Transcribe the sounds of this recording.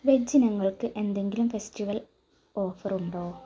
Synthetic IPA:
ʋed͡ʑinɐŋːɐɭkɨʔe̞nd̪e̞ŋɡilumfestiʋɐl | o̞ːfɐruɳɖoː

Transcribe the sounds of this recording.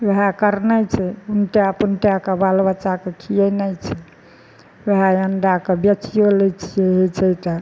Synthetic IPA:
ʋeɦakəɾnəjt͡ʃʰɛunʈejapunʈjakebalbət͡ʃakekʰiɛnəjt͡ʃʰɛ | ʋeɦajənɖakebjet͡ʃijolɛt͡ʃʰijeɦɛt͡ʃʰɛt̪a

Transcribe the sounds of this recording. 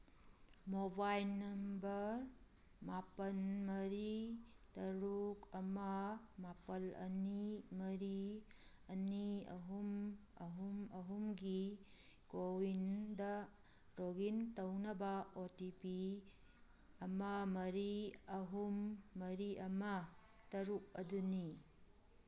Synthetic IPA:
mobajlnɐmbɐɾ | mapɐnmɐɾi | tɐɾukɐmɐmapɐlɐ̰nimɐɾi | ɐniɐ̰ɦumɐ̰ɦumɐɦumɡi | kowindɐ | ɾoɡintɐwnɐbɐotipi | ɐmɐmɐɾiɐɦumːɐɾiʔɐmɐ | tɐɾuk̚ɐduni

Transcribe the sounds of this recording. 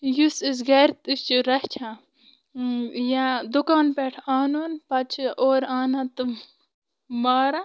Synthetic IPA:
jusis̬ɡɐɾt̪ist͡ʃiɾɐst͡ʃʰã | jad̪ukaːnpeːʈʰaːnoːnpɐt͡ʃʰʔoːɾaːnat̪ɨ | maːɾa

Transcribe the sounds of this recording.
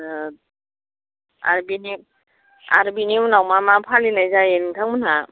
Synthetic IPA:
a̰ɾbini | a̰ɾbininawmamapʰalinajzajeniŋtʰaŋmɯna

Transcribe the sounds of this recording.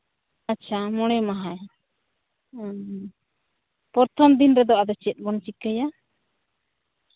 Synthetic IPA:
at͡ʃʰamɔɽ̃ɛmaɦaj | pɔɾt̪ʰɔmd̪inɾɛd̪ɔʔad̪ɔt͡ʃɛt̪̚ˀbɔnt͡ʃikəja

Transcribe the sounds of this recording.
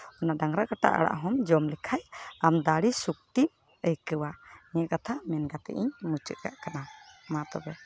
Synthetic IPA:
ɔnaɖaŋɾakaʈa̰ʔa̰ɽa̰ʔɦɔmd͡ʒɔmlɛkʰajamd̪aɽisuk̚t̪ip̚ | əjkəwaɲɛɛʔkat̪ʰamɛnɡat̪ɛ̰ʔḭɲmut͡ʃə̰ʔ̪̚ka̰ʔkanamat̪ɔbɛ

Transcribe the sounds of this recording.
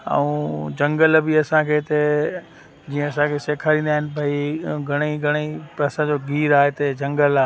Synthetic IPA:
ə̰ũd͡ʑɐ̃ŋɡəlbiɐsãkʰeːt̪e | d͡ʑiːə̃ɐsãkʰeseːkʰaːɾĩːnd̪aːɦɪnɪ̆pɐiɡʱɐɽ̃iɡʱɐɽ̃eɐsãd͡ʑoɡʱiːɾaːɦet̪ɐd͡ʑɐ̃ŋɡəlaː

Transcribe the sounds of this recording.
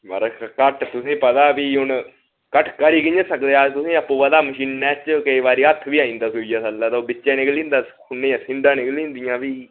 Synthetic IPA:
ʋə̰ɾkəʈt̪ʊsẽːpət̪aːbiːɦʊn | kəʈʰkəɾiːkɪɲə̃səkd̪eːaːt̪ʊsẽːəpːũːʋəd̪aːməʃiːnːɛːt͡ʃkəiːʋaːɾiːət̪ʰːʋiːaːĩːnd̪aːsʊiːjaːsəlːaːt̪aoːbɪt͡ʃːʃɛ̃ːnɪklĩːnd̪aːkʰʊnːẽːãːsɪnd̪ãːnɪkliːnd̪ijãːʋiː

